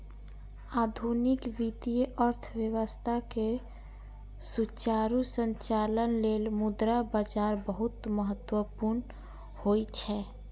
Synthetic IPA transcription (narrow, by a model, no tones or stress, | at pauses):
ad̪ʱunikʋit̪ijəʔəɾt̪ʰʋjəʋəst̪ʰake | sut͡ʃaɾusənt͡ʃalənlelmud̪ɾabad͡ʒaɾbəɦut̪məɦət̪wəpuɾn | hojt͡ʃʰɛ